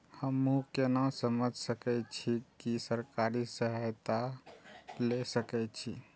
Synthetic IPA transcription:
həmːukenasəməd͡ʒʱsəkɛt͡ʃʰikisəɾkaɾisəɦət̪a | lesəkɛt͡ʃʰi

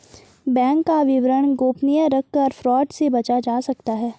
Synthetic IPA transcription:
bɛ̃ːŋkːaʋɪʋɾəɳ̃ɡoːpnijə̃ɾɐkːɐɾfɾɔːʈsebɐt͡ʃad͡ʒaːsɐkt̪aɦɛː

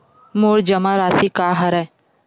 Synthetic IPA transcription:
moːɾd͡ʒɐmaɾaːsikaːɦɐɾɛ

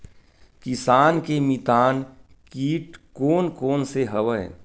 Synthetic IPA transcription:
kɪsaːnkemit̪aːn | kiːʈkoːnkoːnseɦɐʋəe

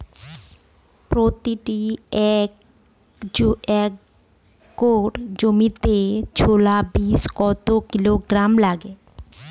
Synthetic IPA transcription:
pɾot̪iʈiɛk | d͡ʑoɛkː | oʈd͡ʑomit̪et͡ɕʰolabiskɔt̪okiloɡɾamlaɡe

